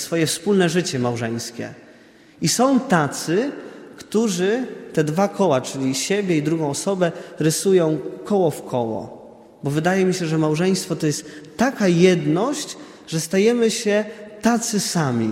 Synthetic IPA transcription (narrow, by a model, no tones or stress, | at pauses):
sfɔjɛfspulnɛʐɘt͡ɕɛmawʐɛj̃skʲɛ̰ | isɔ̃w̃t̪at̪sɘkt̪uʐɘt̪ɛd̪vakʰɔwat͡ʂɘlʲiɕebʲjɛid̪ɾuɡɔ̃w̃ɔsɔbɛɾɘsujɔ̃w̃kɔwɔfkʰɔwɔ̰ | bɔvɘd̪ajɛmʲiɕɛʐɛmawʐɛj̃st̪fɔt̪ɔjɛst̪ːakajɛd̪nɔɕt͡ɕ | ʐɛst̪ajɛmɘɕɛt̪at̪sɘsamʲḭ